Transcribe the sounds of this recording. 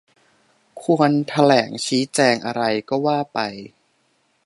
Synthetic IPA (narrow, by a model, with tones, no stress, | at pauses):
kʰu˧ənt̪ʰa˧lɛː˩˦ŋt͡ɕʰiː˦˥t͡ɕɛː˧ŋʔa˧ɾa˧jkɔː˥˩waː˥˩pa˧j